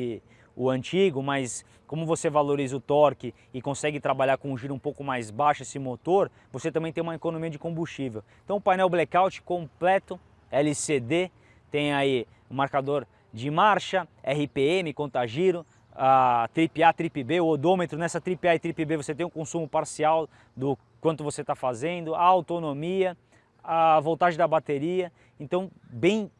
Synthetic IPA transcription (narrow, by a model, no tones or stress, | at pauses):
ɪ | ʊɐ̃nt͡ʃiɡʊmɐjs | kõmʊvosevaloɾizɐʊt̪ɔɾkɪ | ɪkõsɛɡɪt̪ɾabaʎaɾkõũʒiɾʊũpowkʊmajzbaʃʊesɪmot̪oɾ | voset̪ɐ̃mbẽj̃t̪ẽumɐekonõmiɐd͡ʒɪkõmbust͡ʃivewẽt̪ɐ̃w̃ʊpajnɛwblɛkawt͡ʃɪ̥kõplɛt̪ʊ | ɛlɪsed̪e | t̪ẽj̃ai | ʊmaɾkad̪oɾ | d͡ʒɪmaɾʃɐɛɦɪpeemɪkõnt̪aʒiɾʊ | at̪ɾipiat̪ɾipɪbeʊod̪õmet̪ɾʊnɛsɐt̪ɾipiaɪt̪ɾipɪbevoset̪ẽj̃ʊ̃kõsũmʊpaɾsiaw | d̪ʊ | kwɐ̃nt̪ʊvoset̪afazẽnd̪ʊaawt̪onomiɐ | avõwt̪aʒẽj̃d̪ɐbat̪eɾiɐ | ẽnt̪ɐ̃w̃ | bẽj̃